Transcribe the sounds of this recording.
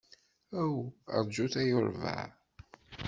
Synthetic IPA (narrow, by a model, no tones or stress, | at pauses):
æwə̰ɾˤd͡ʒuθæjʊɾvə̰ʕ